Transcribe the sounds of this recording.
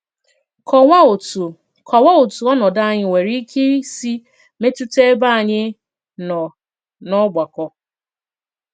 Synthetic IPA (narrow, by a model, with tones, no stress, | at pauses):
k | kʰɔ˨wa˦o˨tu˨ɔ˦nɔ˨da˦˨ɲɪ˦we˨ɾi˦kʰe˦si˦ | me˦tu˦te˦ba˦a˨ɲɪ˦ | nɔ˨ | nɔ˦ɡ͡ba˨kɔ˦